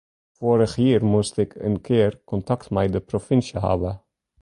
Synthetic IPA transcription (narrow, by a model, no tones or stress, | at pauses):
foːɾəχhiːrmustɪkʰə̰nkʰɪːrkɔntɑktmɛjdəprofɪnsjəɦɑ̰ːbə